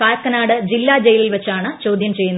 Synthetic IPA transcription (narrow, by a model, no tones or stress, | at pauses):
kaːlɐkːɐnaːɽɨd͡ʑilːaːd͡ʑejililʋɐt͡ɕːaːɳɨt͡ɕo̞ːd̪ʱjɐmt͡ɕe̞jːunː